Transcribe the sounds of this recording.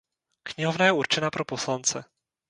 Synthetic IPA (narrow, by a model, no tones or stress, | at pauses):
kɲɛɦɔvnajɛuɾt͡ʃɛnapɾoposlant͡sɛ